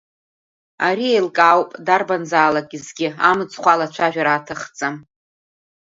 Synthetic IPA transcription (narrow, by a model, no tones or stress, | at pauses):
aɾiejlkʼawpʼdarbanzaːlakʼizɡʲɪa̰mɨt͡sʰʼχʷalat͡ʃʷʰaʒᶣaɾaːtʰɨχt͡sʼam